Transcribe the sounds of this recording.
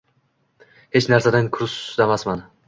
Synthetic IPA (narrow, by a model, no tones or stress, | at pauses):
het͡ʃnaɾsad̪ankʰʊɾsd̪amasman